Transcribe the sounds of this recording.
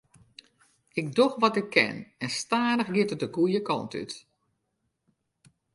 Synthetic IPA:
ɪɡ̚doxʋɔtɪkʰːɛ̰nɛnstaːnəxɡɪtət̚dəɡujəkɔ̰nty̰t

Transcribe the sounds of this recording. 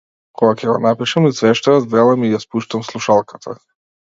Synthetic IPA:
kʰɔɡakʰɛɡɔnapiʃamisvɛʃt̪ɔjazd̪ɛlˠamijaspuʃt̪amslˠuʃalˠkat̪ʰa

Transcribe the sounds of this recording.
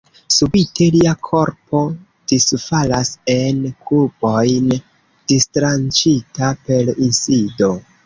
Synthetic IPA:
subitʰe̞liakʰo̞ɾpʰo̞ | d̥isfalase̞nkʰubo̞jn | d̥istɾant͡ʃitape̞linsido̞

